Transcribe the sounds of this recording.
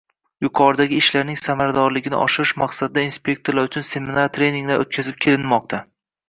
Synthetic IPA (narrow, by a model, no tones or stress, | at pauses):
jʊqʰɒɾd̪aɡʲɪɪʃlaɾnɪŋsamaɾad̪ɒɾlɪɡʲɪnɪ̰ʔɒ̰ʃɪɾɪʃmaqsad̪ɪd̪ainspʲe̞k̚t̪oɾlaɾʊt͡ʃʰʊnse̞mɪnaɾt̪ʰɾe̞jniŋlaɾʔo̰t̪̚kʲʰazɪp̚kʲʰe̞lɪnmɒq̚t̪ʰa